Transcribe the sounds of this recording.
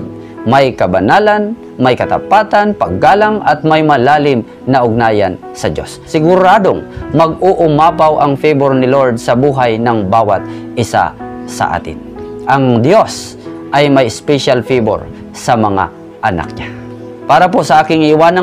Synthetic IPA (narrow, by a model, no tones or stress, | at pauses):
d̪̚ | mɐjkɐbɐnaːlɐn | mɐjkɐt̪ɐ̰paːt̪ɐnpɐɡːaːlaŋɐt̪̚mɐjmɐlaːlɪm | nɐʔʊɡ̚naːjɐ̰n | sɐd͡ʒo̞̰sːɪɡʊɾaːd̪oŋmɐɡ̚ʊʔʊmaːpawʔɐŋfijboɹnɪloɹd̪̚sɐbuːɦajnɐŋbaːwɐt̪̚ʔɪsa̰sɐ̰ʔa̰ːt̪ɪ̰nʔɐŋd̪jos | ʔɐjmɐjspɛʃalfibo̰ɾ | sɐmɐŋa̰ | ʔɐna̰k̚ɲa | paːɾɐposɐʔaːkɪŋʔɪwaːnɐ